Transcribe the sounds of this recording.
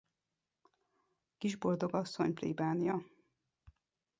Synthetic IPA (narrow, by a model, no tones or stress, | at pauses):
kiʒbo̞ld̪o̞ɡɒsːo̞ɲplḭbaːnijɒ